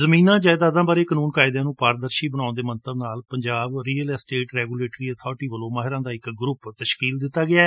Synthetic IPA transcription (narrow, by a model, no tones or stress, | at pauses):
zəmiːnãːd͡ʒaːɪd̪aːd̪ãːbaːɾeːkənuːnkaːɪd̪jãːnũːpaːɾd̪əɾʃiːbənãːʊ̃nd̪eːmənt̪əbnaːlpəɲd͡ʒaːbɾiːəlsʈeːʈɾɛːɡuːleːʈɾiːət̪ʰɔːɾʈiːʋəlõːmaːɦɪɾãːd̪aːɪkɡɾʊpt̪əʃkiːld̪ɪt̪ːaːɡɪaː